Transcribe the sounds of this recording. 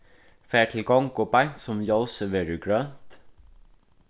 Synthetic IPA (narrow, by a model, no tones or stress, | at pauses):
fæːʈʰɪlɡɑŋɡoːbæɪsɔmjɑʊsəʋeːɾʉɡɹønt̪